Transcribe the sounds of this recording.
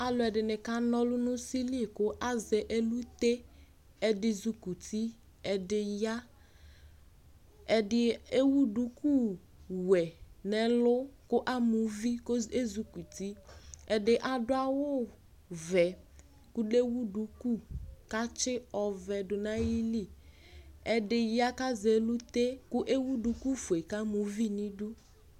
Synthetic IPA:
a˨lʊ˨ɛ˨dɪ˨nɪ˨ka˦nɔ˦lʊ˦nʊ̃˦si˦li˦˨kʊ˦ʔa˦zɛ˨ʔe˦lu˦t̪e˦ | ɛ˨dɪ˨zu˨ku˨tʰi˦ | ɛ˨dɪ˨ja˦ | ɛ˨dɪ˨e˦wu˦du˨˦ku˦ | wɛ˨nɛ˨lʊ˦kʊ˦ʔa˦mʊ˨˦vi˦ke˦zu˨ku˨ti˦ɛ˨dɪ˨ʔa˨dʊ˦a˦wʊ˦ | vɛ˨ | kʊ˦le˦wu˦du˨ku˦˨ka˦t͡ʃɪ˦ɔ˨vɛ˨dʊ˨nã˦ji˦li˦˨ | ɛ˨dɪ˨ja˦ka˦zɛ˨lu˦t̪e˦kʊ˦ʔe˦wu˦du˨ku˦fu˨e˨ka˦mʊ˨vi˦nĩ˦du˦

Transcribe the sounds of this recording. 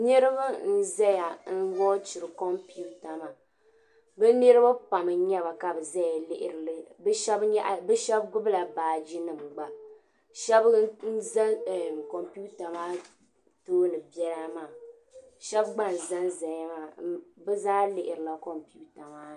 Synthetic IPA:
nɨ˦ɾɨ˦ba˦n̩˦zɛ˦ja˨n̩˦wɔ˦t͡ʃɪ˨ɾɨ˨kɔ˦mpi˦u˦ta˨ma˨ | bɨ˦nɨ˦ɾɨ˦ba˦pa˨mɨ˨˦ɲɛ˦βa˨ka˨bɨ˨za˦ja˨lɪ˦ʔɪ˨ɾʃɛ˦bɲɛ˦ʔbɛ˦ʃɛ˦b̚ɡʊ˦bla˨baː˨d͡ʒi˦nɨ˨m˨ɡ͡ba˨ | ʃɛ˦bn̩˦za˦˨ko˨mpu˦ta˨maː˦ | toː˦nɨ˨bɛ˦ɾa˦maː˦˨ | ʃɛ˦bɡ͡ba˦n̩˨za˦n˦za˨ja˦maː˨bɛ˦zaː˦lɪ˨ʔɪ˨ɾɨ˨la˨ko˨mpi˦u˦ta˨maː˦˨

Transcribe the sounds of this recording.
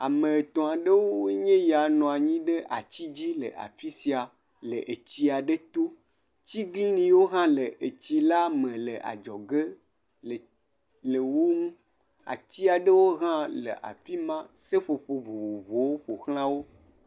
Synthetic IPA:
a̰˨mə̃˨e˨t̪ɔ̃˨a˨ɖə˦wo˦we˦ɲẽ˦ja˨nɔ̃˨a˨ɲĩ˦ɖe˦ʔa̰˨t͡ɕi˦d͡ʑi˦lə˨ʔa̰˨fi˦si˨a˨ | lə˨ʔe˨t͡ɕi˦a˨ɖe˦t̪o˦ | t͡ɕi˦ɡlĩ˦nĩ˨wo˦ɦã˦lə˨ʔe˨t͡ɕi˦la˦mə̃˨lə̰˨ʔa̰˨d͡ʒɔ˨ɡe˦˨ | lə˨wo˦ŋũ˦ | a̰˨t͡ɕi˦a˨ɖə˦wo˦ɣã˦lə̰˨ʔa̰˨fi˦mã˦se˦ɸo˨ɸo˨vo˨vo˨vo˨wo˦ɸo˨xl̃ã˦wo˦

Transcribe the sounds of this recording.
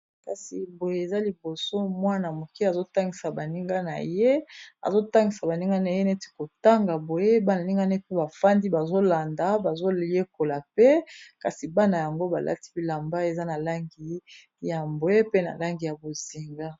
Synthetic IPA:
ka˨si˨bo˨je˨e˨za˦li˨bo˨so˦mwa˦na˨mo˨ki˦a˨zo˦ta˦ŋɡi˨sa˨ba˨ni˦ŋɡa˦na̰˨je˦a̰˨zo˦ta˦ŋɡi˨sa˨ba˨ni˦ŋɡa˦na˨je˦ne˦te̥˨ko˨ta˦ŋɡa˨bo˨je˦ba˦n˨ni˦ŋɡa˦ne˦pe˦ba˨fa˦ndi˦ba˨zo˦la˨nda˨˦ba˨zo˦je˦ko˨la˨pe˦ka˨si˨ba˦na˨ja˨ŋɡo˦ba˨lʔa̰˦ti̥˦bi˨la˨mba˦e˨za˦na˨la˦ŋɡi˨ | ja˨bo˨je˦pe˦na̰˨la˦ŋɡi˨ja˨bo˨zi˨ŋɡa˦

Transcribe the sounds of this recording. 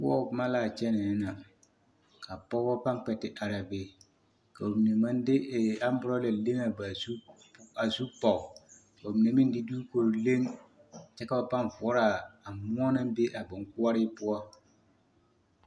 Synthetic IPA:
w̰ɔ̰˦ʊ˨˦ma˦laː˨t͡ʃɛ˦nɛ˨˦na˨ | ka˨pɔ˦ɔ˦pa˦ŋk͡pɛ˨tɪ˨ʔa˨ɾa˨be˨ | ka˨o˨mi˨ne˨ma˦n˦dɪ˦˨a˦m˦bʊ˦ɾɔ˦lɛ˨le˦na˨ba˨su˦˨ | a˨su˦pɔ˨ʊ˨ | ka˨o˨mi˨ne˨mɪ˦n˦dɪ˦du˦ko˨ɾo˨le˦ŋ˨ | t͡ʃɛ˦ka˦ba˨pa˦n˨vɔ˦ɾa˨a˨mʊ˦ɔ˦na˦m˦be˦ʔa˨bʊ˨ŋkʊ˦a˦ɾɪ˦pʊ˦ɔ˦

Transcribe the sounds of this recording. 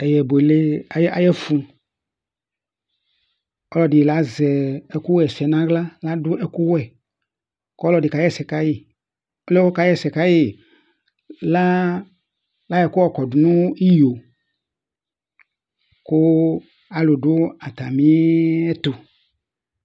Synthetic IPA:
ɛ˨jɛ˨be˨le˦a˨˦a˨jɛ˦fũ˨ | ɔ˦lɔ˦dɪ˨la˨˦zɛ˨ɛ˨ku˦wɛ˨sɛ˨nã˨˦ɡla˦la˦dʊ˦ɛ˨ku˦wɛ˨ | kɔ˦lɔ˨dɪ˨ka˨˦jɛ˦sɛ˨ka˦ji˦˨ | o˦lɛ˦wɔ˦ka˨˦jɛ˦sɛ˨ka˦ji˨ | la˦ | la˨˦jɛ˨kʊ˦ɔ˦kɔ˨dʊ˨nũ˦i˦ji˨o˨ | kʊ˦ | a˨lʊ˨dʊ˦a˨t̪a˨mĩ˦ɛ˦t̪ʊ˨

